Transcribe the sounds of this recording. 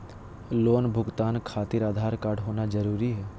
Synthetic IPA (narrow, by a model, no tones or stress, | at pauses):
loːnbʱʊɡt̪aːnkʰaːt̪ɪɾaːd̪ʱaːɾkaːɾɖɦoːnad͡ʒɐɾuːɾiɦɛː